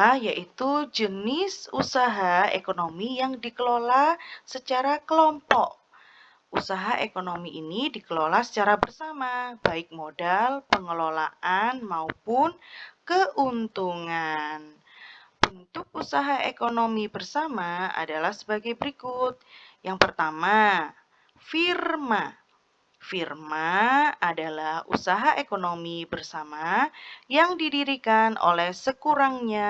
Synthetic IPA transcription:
jaʔit̪ud͡ʒənɪsusaɦaḛkonomijaŋdikəlolasət͡ʃaɾakəlɔmpɔk̚ | usaɦaʔekonomiʔinidikəlolasə̥t͡ʃaɾabərsamab̥aɪk̚modalpəŋəlola̰ʔanmaupʊnkəʔunt̪uŋan | b̥ənt̪ʊk̚usaɦaʔekonomibərsamaa̰dalahsəbaɡajbəɾikʊt̪̚jaŋpərt̪ama | firma | firmaadalahṵsaɦaʔekonomibərsamajaŋdidiɾikanʔo̰lɛhsəkuɾaŋɲa

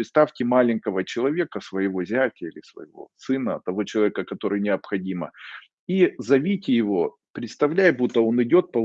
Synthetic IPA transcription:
ɪt̪st̪afʲtʲɪmalʲɪŋʲkəvət͡ɕɪlˠɐvʲe̞kəsvəjɪvo̞zʲatʲəilʲɪsvə̰jɪvo̞̰sɨnət̪ɐvo̞t͡ɕɪlˠɐvʲekəkɐt̪o̞ɾɨjnʲɪɐpxɐdʲimə̰ | izɐvʲitʲɪjɪvo̞ | pɾʲɪt̪st̪ɐvlʲæjbut̪ːəo̞nɪdʲo̞t̪̚pə

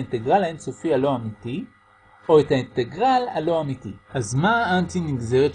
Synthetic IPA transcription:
inteɡʁalaensofialo̞amiti | o̞ethainteɡʁala̰lo̞amitiazmaantiniɡze̞ʁet

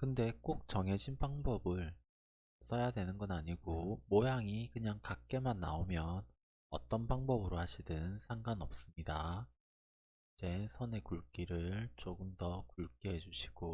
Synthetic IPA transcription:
kɯnde̞k͈ok̚t͡ɕʌŋe̞d͡ʑinpaŋbʌbɯɭ | s͈ʰʌjadwe̞nɯnɡʌnaɲiɡomojaŋikɯɲaŋkak̚k͈e̞manːaomjʌn | ʌ̰t͈ʌnpaŋbʌbɯɾohaɕʰidɯnsʰaŋɡanʌp̚s͈ɯmɲida | id͡ʑe̞sʰʌne̞kuɭk͈iɾɯɭt͡ɕoɡɯmdʌkuɭk͈iɦe̞d͡ʑuɕʰi̥ɡ̥o

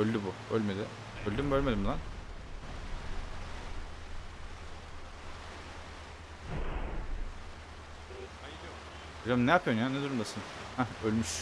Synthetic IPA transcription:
ølʲd̪ybʊølʲmed̪ɪ | ølʲd̪ymbø̞lʲme̞d̪imd̪an | ajɾo | od͡ʒamnɛjapʰjonjaned̪uɾumd̪asɯnhæølʲmyʃ

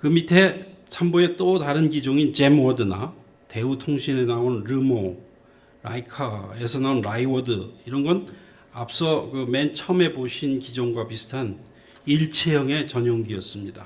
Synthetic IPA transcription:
kɯmitʰe̞sʰamboe̞t͈otaɾɯnɡid͡ʑoŋint͡ɕe̞mʌdɯna | te̞utʰoŋɕʰinenaonɾɯmo | ɾaikʰae̞sʰʌnaonɾaiwʌdɯiɾʌnɡʌn | ap̚s͈ʌkɯme̞nt͡ɕʰʌme̞boɕʰinkid͡ʑoŋɡwapisʰɯ̥tʰan | iɭt͡ɕʰejʌŋe̞t͡ɕʌɲoŋɡiʌs͈ɯmɲida

